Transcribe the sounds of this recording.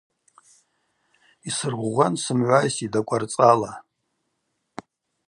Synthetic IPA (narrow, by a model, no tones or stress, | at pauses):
isɨrʁʷʁʷansɨmʕʷajsidakʷʼart͡sʼala